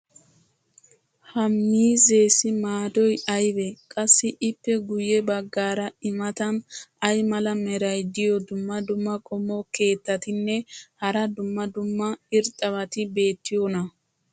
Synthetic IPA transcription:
hɐmːiːze̞ːsɪmaːd̪ɔjɐjbɛkʼɐsːɪʔɪpːɛɡʊjɛbɐɡːaːɾɐɪmɐt̪ɐnɐjmɐlɐmɛɾɐjd̪ɪjɔd̪ʊmːɐd̪ʊmːɐkʼɔmːoke̞ːt̪ːɐt̪ɪnːɛhɐɾɐd̪ʊmːɐd̪ʊmːɐɪɾt̪ʼːɐβɐt̪ɪbe̞ːt̪ːɪjonɐ

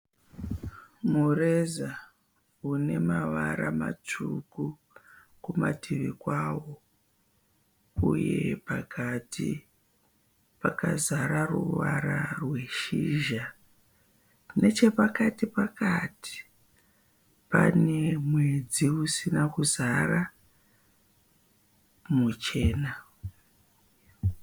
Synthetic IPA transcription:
mureza | une̞maʋaɾamat͡ʂuku | kumatʰiʋikwaːwo̞ | uje̞pakʰatʰi | pakazaɾaruʋaɾarwe̞ʃiːʒa | ne̞t͡ʃe̞pakatipakati̥ | pane̞mwe̞d͡ziusinakuzara | mut͡ʃe̞ːna

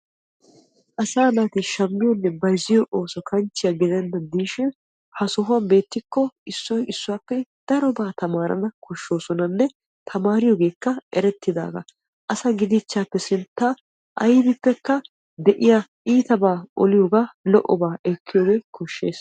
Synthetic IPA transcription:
ʔɐsaːnaːt̪iʃɐmːɪjɔnːɛbɐjzɪjɔʔo̞ːsɔkʰɐnt͡ʃːɪjɐɡɪd̪ɛnd̪ɐnd̪iːʃɪ | hɐsɔɦʊwɐbe̞ːt̪ːɪkːɔɪsːɔjʔɪsːʊwaːpːɛd̪̥ɐɾɔbaːt̪ɐmaːɾɐ̰nɐkʰɔʃːo̞ːsɔnɐnːɛ | t̪ʰɐmaːɾɪjoːɡe̞ːkːɐʔɛɾɛt̪ːɪd̪a̰ːɡɐ̰ | ʔɐsɐɡɪd̪ɪt͡ʃːaːpːɛsɪnt̪ːa | ʔɐ̰jb̪ɪpːɛkːɐ | d̪ɛʔɪjaʔiːt̪ɐbaːʔɔlɪjoɡaːlɔʔɔbaːʔɛkʰːɪjoːɡe̞ːkʰɔʃːe̞̰ːs

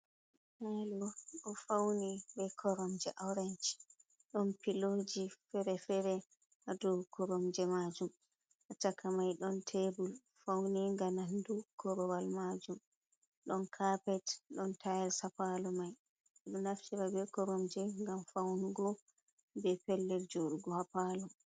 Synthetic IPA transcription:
malɔɗɔfawnibɛkʰɔɾɔmd͡ʒɛʔawɾɛnt͡ʃ | ɗɔnpilod͡ʒifɛɾɛfɛɾɛ | hadɔkʰɔɾɔmd͡ʒɛmad͡ʒum | ʔatakamajɗɔntʰebul | fawniŋɡanandukʰɔɾɔwalmad͡ʒum | ɗɔnkʰapɛtɗɔntʰajɛsapalɔmaj | ɗɔnaftiɾabɛkɔɾɔmd͡ʒɛŋɡamfawniɡɔ | bɛpɛlːɛɾd͡ʒoɾuɡɔhapalɔ

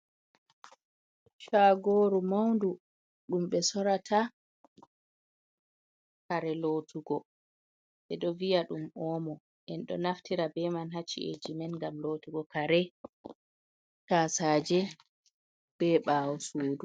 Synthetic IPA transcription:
ʃaɡoːɾumawndu | ɗumɓɛsɔɾatʰa | kaɾɛlotʰuɡɔ | ɓɛɗɔvijaɗumɔːmɔ | ʔɛnɗɔ̰naftiɾabɛmanɦat͡ʃːḭḛd͡ʒimɛnŋɡamlotuɡɔkaɾɛ | tasaːd͡ʒɛ | b̥ɛɓawɔsuːdu

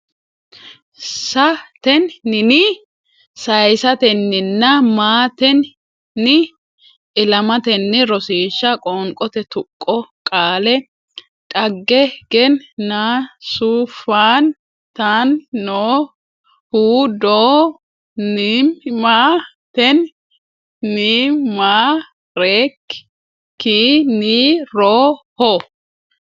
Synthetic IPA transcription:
sɐt̪ɛnːɪnɪ | sɐjsɐt̪ɛnːɪnːɐmaːt̪ɛnː | ɪ | ʔɪlɐmɐt̪ɛnːɪɾɔsiːʃːɐkʼɔŋkʼɔt̪ɛt̪ʊkʼːɔkʼaːlɛ | ᶑʼɐɡːɛɡ̥ɛnːaːsuːfaːn | t̪anːoː | huːd̪oː | niːmmaː | t̪ɛnː | iːmaː | ɾeːkː | iːniːɾoːhɔ

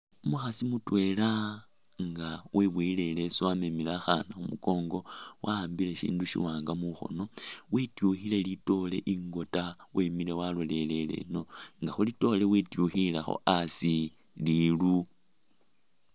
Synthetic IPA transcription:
umuxasimutwe̞la | ŋɡaweβwile̞le̞swamemilaxanaxumuko̞ːŋɡo̞wʔaaːmbile̞ʃḭːnduʃḭwaːŋɡamuxo̞̰no̞witjuxile̞lito̞le̞̰ʔiŋɡo̞tawemile̞walole̞le̞le̞̰no̞ŋɡaxolito̞le̞witjuxilaxo̰ʔasi | lilu

